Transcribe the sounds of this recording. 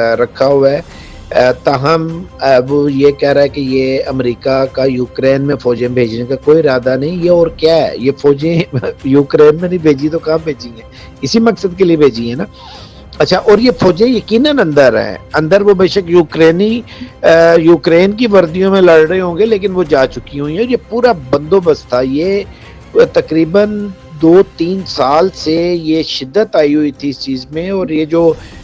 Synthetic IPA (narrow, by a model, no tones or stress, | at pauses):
ɾɐkʰaɦʊaɛ | t̪aɦɐmʋojekɛɦɾaaɦɛkejeːɐmɾiːkakajuːkɾeːnmẽfʰɔːd͡ʒẽbʱeːd͡ʒnekakoːiɾaːd̪anɐɦĩjeɔːɾkjaːɦɛ̰jefoːd͡ʒẽjuːkɾeːnmẽnɐĩbʱeːd͡ʒit̪okãːmbʱeːd͡ʒĩɛ̃ː | ɪsimɐksəd̪̚keliebʱeːd͡ʒĩɦɛ̃naː | ɐtːʃʰaʔɔːɾjefɔːd͡ʒẽjɐkiːnənɐ̃nd̪əɾɦɛ̰̃ːɐ̃nd̪əɾʋobeːʃəkjuːkɾeːni | juːkɾeːnk̬iʋɐɾd̪ijõmẽlɐɽɽəeɦõːŋɡeleːk̬ɪnʋod͡ʒaːt͡ʃʊkiɦʊĩɦɛ̃ɔːɾjepuːɾabɐ̃nd̪obəst̪t̪ʰajeː | t̪ɐkɾiːbən | d̪oːt̪iːnsaːlsejeʃɪd̪ːət̪aːiɦʊit̪ʰiɪst͡ʃiːzmẽɔːɾjed͡ʒoː